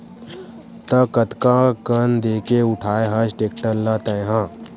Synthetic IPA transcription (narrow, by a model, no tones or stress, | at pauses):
t̪əkət̪kãkənd̪eːkeʊʈʰaːeɦɐt͡ʃʈeːk̚ʈəlːat̪ɐjɦãː